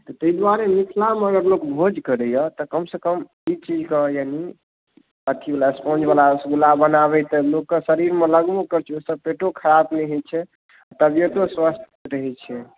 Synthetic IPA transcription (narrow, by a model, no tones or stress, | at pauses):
t̪ɔt̪əid̪waɾemik̪ʰlameəɡəɾlokbʱod͡ʒkəɾɛjət̪ɔkəmsekəm | it͡ʃid͡ʒkejani | ət̪ʰiblaspõd͡ʒbalasɡulabənaβɛt̪əlokːəsəɾiɾmeləɡmokəɾt͡ʃʰiosəb̚peʈokʰəɾabnɛɦɛt͡ʃʰɛ | at̪əbjet̪oswəst̪ʰ | ɾəɦɛt͡ʃʰɛ